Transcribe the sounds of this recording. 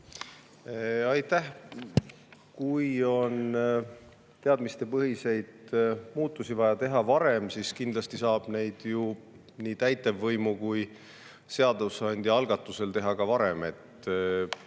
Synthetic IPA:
ɑjt̪ːˑæh | kujo̞n | t̪e̞ɑd̪mist̪e̞pɤɦise̞jd̪̥muːt̪ːˑusivɑjɑt̪e̞ɦɑvɑɾe̞msiskind̪lɑst̪isɑːb̥ne̞jd̪̥ju | niːt̪æjt̪ːˑevːɤjmukuj | se̞ɑd̪usɑnʲd̪̥ʲiɑlɡ̥ɑt̪ˑːuse̞lt̪e̞ɦɑkɑvɑɾe̞me̞t̪

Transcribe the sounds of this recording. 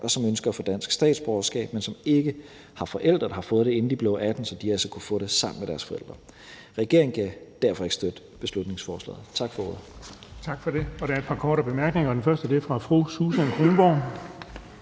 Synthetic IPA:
ʔɒ̽sɒ̽mønsɡ̥ɐæfɔ̽d̥æn̰sɡ̥sd̥ɛ̰ːd̥sb̥ɒːɐsɡ̥ɛ̰ːb̥̚mensɒ̽me̝ɡ̥ə | hɑ̈fɒ̽ʔel̰d̥ʁɐd̥ɑhɑ̈fɔ̽ð̞̩ˠd̥ee̝n̩d̥ib̥leʊʔæd̥n̩sɒ̽d̥iælsɐkʰufɔ̽ːɾ̥e̝sɑ̈m̰n̩meɾ̥æɐsfɒ̽ḛl̰d̥ʁɐ | ʁɛɡ̥e̝ɐ̰eŋ̩kʰæd̥æɐ̰fɒ̽e̝ɡ̥sd̥ød̥ə | b̥e̝slud̥ne̝ŋsfɒːslɛ̰ːð̩ˠt͡sʰɑ̈ɡ̥fɒ̽ɔːðˠt͡sʰɑ̈ɡ̥fɒ̽ɾ̥e̝ɒɾ̥eɐe̝d̥̚pʰɑ̈kʰɒːɾəb̥e̝mæɐɡ̥ne̝ŋɐːdenfɶɐsd̥əd̥e̝fʁɑ̈fʁususænkʰʁoːnb̥ɒʊn

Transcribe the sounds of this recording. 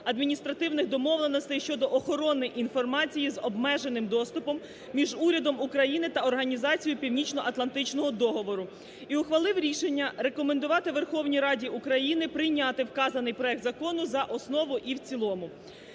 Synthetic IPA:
ɐd̪mʲinʲist̪ɾɐt̪ɪwnɪxd̪ɔmɔʋlˠenɔst̪ɐjʃt͡ʃɔd̪ɔʔɔxɔɾɔnɪjʔin̪fɔrmɑt͡sʲijizɔbmɛʒe̞nɪmd̪ɔst̪ʊpɔmːʲ | iʒuɾʲɐd̪ɔmukɾɐjinɪt̪ɐɔrɦɐnʲizɑt͡sʲijʊpʲiwnʲit͡ʃnɔʔɐt̪lˠɐnt̪ɪt͡ʃnɔɦɔd̪ɔɦɔʋɔɾʊ | iʊxʋɐlˠɪwɾʲiʃenʲːɐɾe̞kɔmen̪d̪ʊʋɑt̪ɪʋerxɔwnʲijɾɑdʲiʔukɾɐjinɪpɾɪjnʲɑt̪ɪwkɑzɐnɪjpɾɔɛkd̪zɐkɔnʊzɐʔɔsnɔʋʊʔiwt͡sʲilˠɔmʊ

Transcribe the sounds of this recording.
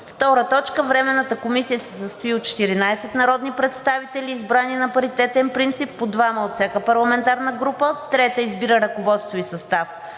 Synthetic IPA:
ft̪ɔɾət̪ɔt͡ʃkəvɾɛmɛnːət̪əkomisijəsɛsəst̪ʊiot̪̚t͡ʃɛ̥t̪iɾinaɛsɛt̪nɐɾɔd̪nipɾɛt̪st̪avit̪ɛlʲiːzbɾaninɐpɐɾit̪ɛt̪ɛnpɾint̪sipːod̪vaməot̪sʲjakəpɐɾlˠɐmɛnt̪aɾnəɡɾupət̪ɾɛt̪əizbiɾəɾɐkovɔt̪st̪voisɐst̪af

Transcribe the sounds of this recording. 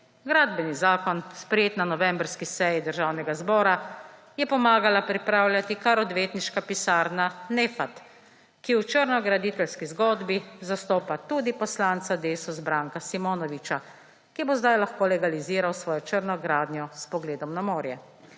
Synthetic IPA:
ɡɾaːd̪bɛnizaːkɔnspɾɛjeːt̪nanɔʋɛmbɾskisɛjid̪əɾʒaːwnɛɡazbɔːɾa | jɛpɔmaːɡalapɾipɾaːwlʲjat̪ikaɾɔd̪ʋeːt̪niʃkapisaːɾnanefat̪ | kiwt͡ʃəɾnɔɡɾad̪it̪ɛlskizɡɔːd̪bizast̪oːpat̪ud̪ipɔslaːnt̪sad̪eːsɔzbɾaːŋkasimɔːnɔʋit͡ʃa | kibozd̪ajlaxkoːlɛɡaliziːɾawsʋɔːjɔt͡ʃəɾnɔɡɾaːd̪njɔspɔɡleːd̪ɔmnamoːɾjɛ

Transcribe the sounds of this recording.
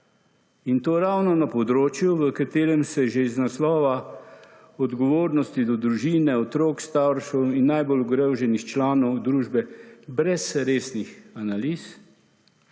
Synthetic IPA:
int̪oːɾawnɔnapɔd̪ɾoːt͡ʃjuʋəkat̪eːɾɛmsɛʒeiznaslɔːʋa | ɔd̪ɡɔʋoːɾnɔst̪id̪ɔd̪ɾuʒiːnɛɔt̪ɾoːkst̪awɾʃɔwinːajbɔluɡɾewʒɛnixt͡ʃlaːnɔwd̪ɾuːʒbɛbɾɛsɾeːsnixanaliːs

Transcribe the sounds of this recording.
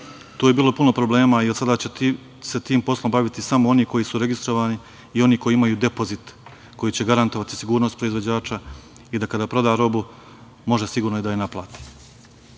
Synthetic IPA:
t̪uːje̞biːlˠo̞puno̞pɾo̞blˠe̞ːmaiod̪sad̪at͡ɕe | set̪iːmpo̞slˠo̞mbaʋit̪isamoo̞niko̞jisuɾe̞ɡist̪ɾo̞ʋaːni | io̞niko̞jiimajuːd̪epo̞zit̪ | ko̞jit͡ɕe̞ɡaɾant̪o̞ʋat̪i̥siɡuːɾnost̪pɾo̞izʋod͡ʑaːt͡ʃa | id̪akad̪aːpɾo̞d̪aːɾo̞bu | mo̞ʒesiɡuːɾnojed̪ajenaplˠa̰ːt̪i̥

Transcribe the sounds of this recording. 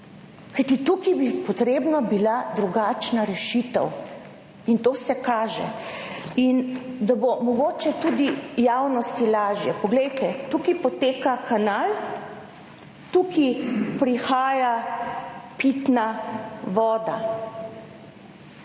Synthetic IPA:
kajt̪it̪ukibipɔt̪ɾeːbnabilad̪ɾuɡaːt͡ʃnaɾɛʃit̪əw | int̪oːsɛkaːʒɛ̰ | ind̪abomɔɡoːt͡ʃɛt̪ud̪ijawnɔst̪ilaːʒjɛpɔɡlɛjt̪ɛt̪ukipɔt̪eːkakanal | t̪ukipɾixaːja | pit̪naʋɔːd̪a

